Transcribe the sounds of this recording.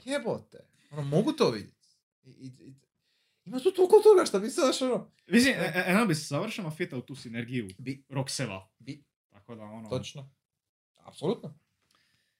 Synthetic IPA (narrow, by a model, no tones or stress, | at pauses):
kebot̪ḛ | onomoɡut̪oːʋḭd̪jet̪ | iii | imat̪uːt̪okot̪oɡaʃt̪abisad̪aʃono | ʋizimeeobiszaʋr̩ʃamafit̪aut̪uːsineɾɡijubiɾoksela̰ | bi | t̪akod̪aonot̪ot͡ʃno | a̰psolˠut̪no